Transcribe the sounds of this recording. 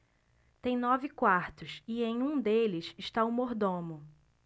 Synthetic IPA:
t̪ẽj̃nɔvɪkwaɾt̪ʊsiẽj̃ũd̪elɪʃɪʃt̪aʊmoɾd̪õmʊ

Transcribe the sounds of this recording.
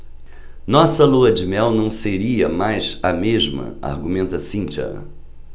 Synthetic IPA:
nɔsɐluɐd͡ʒɪmɛwnɐ̃w̃seɾiɐmajzɐmeʒmɐ̰a̰ɾɡumẽnt̪ɐsĩnt͡ʃɐ̰

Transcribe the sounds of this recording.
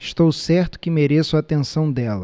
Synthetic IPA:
ɪʃt̪owsɛɾt̪ʊ̥kɪmeɾesʊat̪ẽsɐ̃w̃d̪ɛlɐ

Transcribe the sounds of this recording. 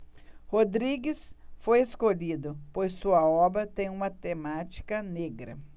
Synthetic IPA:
hod̪ɾiɡɪsfojeskoʎid̪ʊpojsːuɐɔbɾɐt̪ẽj̃ũmɐt̪emat͡ʃi̥kɐneɡɾɐ̰

